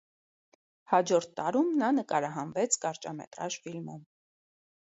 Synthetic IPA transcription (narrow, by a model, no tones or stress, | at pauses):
hɑd͡ʒɔɾt̪ʰt̪ːɑɾumnɑnəkɑɾɑɦɑnvɛt͡sʰkɑɾt͡ʃɑmɛ̰t̪ɾɑʒfilmum